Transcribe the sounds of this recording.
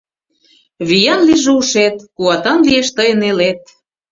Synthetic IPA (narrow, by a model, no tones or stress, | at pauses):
βijɑnliʒeuʃet̪̚kuɑt̪ɑnlieʃt̪əjənelet̪̚